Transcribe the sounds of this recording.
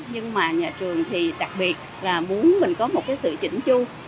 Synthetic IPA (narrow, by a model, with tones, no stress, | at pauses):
ɲɨ˧ŋmaː˨˩ɲaː˨˩t͡ɕɨ˨˩əŋt̪ʰi˨˩ɗa˨˩k̚ɓi˨˩ət̚ | laː˨˩mu˨˦ənmï˨˩ŋ̟kɔ˨˦mo˨˩t̚kaː˨˦jsɨ̰˧˨t͡ɕḭ˧˩ŋ̟t͡ɕu˧